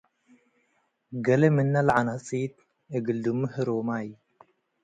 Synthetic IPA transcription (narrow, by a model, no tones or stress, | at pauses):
ɡɐlɐmɨnːalʕanat͡sʼit̪̚ | ʔɨɡɨld̪umːɨhɨɾomaj